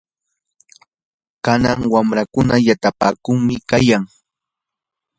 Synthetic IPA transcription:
kanaŋwamɾakʊnajat̪apaːkʊŋmɪkajaŋ

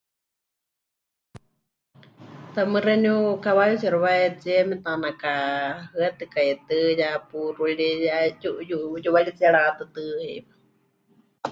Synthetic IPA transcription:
t̪amɨrɛnukaβaisɛɾuβaɛt͡sɛmɛt̪anakahɨat̪ɨkaɛt̪ɨjapuruiɺijajujujuβaɺit͡siaɺat̪ɨt̪ɨhepa

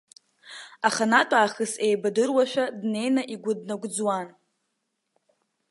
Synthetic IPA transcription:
aχanatʷʼaːχəse̞jbadɨrwaʃʷᶣadne̞jnaʔiɡʷʊdnaɡʷd͡zwan

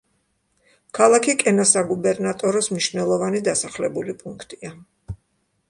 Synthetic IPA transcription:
kʰalˠakʰikʼɛnɔsaɡubɛɾnat̪ʼɔɾɔsmniʃvnɛlˠɔvanid̪asaχlɛbulipʼuŋkʰt̪ʼia

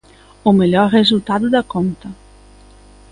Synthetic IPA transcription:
ʊmeʎɔɾːezult̪ad̪ʊd̪ɐkont̪ɐ

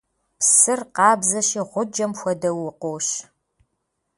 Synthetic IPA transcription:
psɨrqɑːbzɐʃiʁʷʊd͡ʒɐmxʷɔdɐwʊqʷoːʃ

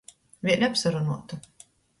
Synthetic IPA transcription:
vʲiɛlʲapsaɾunuɔt̪u

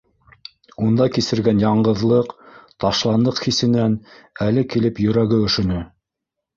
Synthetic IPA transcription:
und̪ɑkisɘ̆ɾɡænjɑɴɢɤ̆ðlˠɤqt̪ɑʃlˠɑnlˠɤqxisɘ̆nænælɘkilɘpjɵ̆ɾæɡɘɵ̆ʃɵ̆nɵ

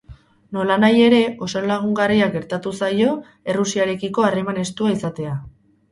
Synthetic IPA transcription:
no̞lanaje̞ɾe̞o̞so̞laɣ̞uŋɡariaɡe̞ɾt̪at̪usajo̞ | e̞rusiaɾe̞kiko̞are̞mane̞st̪uaisat̪e̞a

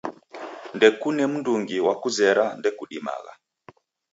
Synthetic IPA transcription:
ndɛkunɛm̩nduŋɡiwakuzɛɾandɛkuɗima̰ɣa̰

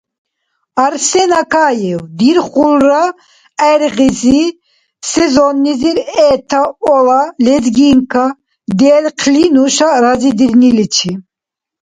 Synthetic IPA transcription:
aɾsɛnakʰajɛwd̪iɾχulra | ɛɾʁizi | sɛzɔnːiziɾɛt̪ʰaɔlalɛzɡiŋkʰa | d̪ɛlqʰlinuʃaɾazid̪iɾnilit͡ʃʰi

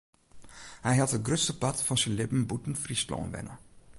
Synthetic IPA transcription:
hɛjɦɑtɦət̚ɡrøtstəpɑtfɔnsənlɪpn̩butən̩fristlɔ̰ːnʋɪ̰nə̰

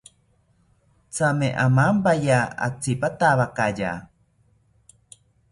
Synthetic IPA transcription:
t͡sameʔamambajaa̰t͡sipat̪aβakaja̰

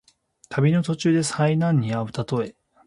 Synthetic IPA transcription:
k̪ʰabʲino̞t̪o̞t͡ɕɨːd̪e̞sainãɲ̟ːiaɯ̟t̪at̪o̞e

